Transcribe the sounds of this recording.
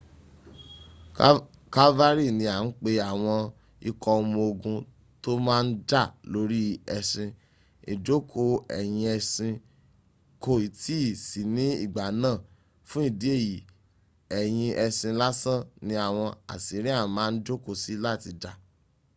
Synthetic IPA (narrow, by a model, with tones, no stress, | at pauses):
ka˦va˦ɾi˦˨nĩ˧˦a˨n̩˦k͡pe˧a˨w̃ɔ̃˧ | i˧kɔ˧o˧mũ˧o˧ɡũ˧ | to˦mãː˦˧n̩˦da˦˨lo˦ɾi˦ɛ˧sĩ˧ | i˨d͡ʒo˦kʰo˧˨ɛ̰˨j̃ĩ˧ɛ˧sĩ˧ | ko˦˨i˨ti˦˨si˨nĩ˦ḭ˦˨ɡ͡ba˨nãː˦˨ | fũ˦i˦˨di˦e˦˨ji˨ | ɛ˨j̃ĩ˧ʔɛ˧sĩ˧la˦sã˦˨nĩ˧a˦˨w̃ɔ̃˧a̰˨si˨˦ɾĩ˦a˦˨˦mãː˨˦n̩˦d͡ʒo˦ko˦˨si˨˦la˦˨ti˧da˨